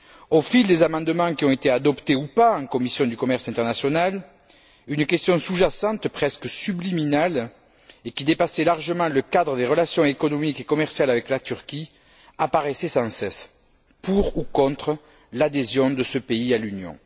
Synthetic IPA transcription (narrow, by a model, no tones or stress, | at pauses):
ofild̪ezamɑ̃d̪əmɑ̃kiɔ̃et̪ead̪ɔpt̪eupaɑ̃ŋkɔmisjɔ̃d̪ykɔmɛʁsɛ̃nt̪ɛʁnasjɔnal | ynəkʲɛst̪jɔ̃suʒasɑ̃t̪pχɛskəsybliminal | ekʲid̪epasɛlaʁʒəmɑ̃ləkad̪ʁəd̪eʁəlasjɔ̃ekɔnɔmikekɔmɛʁsjalavɛklat̪yʁkʲi | apaʁesɛsɑ̃sɛs | puʁukɔ̃t̪χə | lad̪ezjɔ̃d̪əsəpeialynjɔ̰̃